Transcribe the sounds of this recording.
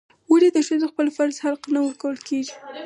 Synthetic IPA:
waɾid̪əʃəzoxpəlfaɾzhalqnawəɾkawəlkeʒi

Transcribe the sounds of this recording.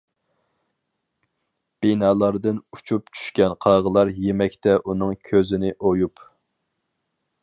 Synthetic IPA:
b̥inɑːlˠɑɾd̪ɨnut͡ʃʰup̚t͡ʃʰy̥ʃkʲɛnqʰɑʁəlˠɑɾjemɛkʲt̪ɛʔunɨŋkʲʰøzɪnɪʔojup

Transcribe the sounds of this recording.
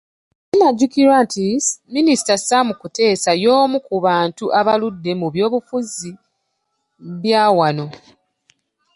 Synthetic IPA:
inaɟːukiɾwantʰiminisi̥tasamukute̞ːsajo̞ːmukuβaːntuʔaβaludːe̞muβjo̞ːβufuzi | βjaːwano̞

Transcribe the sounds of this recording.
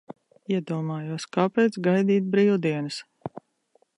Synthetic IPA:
iɛd̪uɔmaːjuɔskaːpɛjt̪sɡajd̪iːt̪̚bɾiːwd̪iɛnɨs

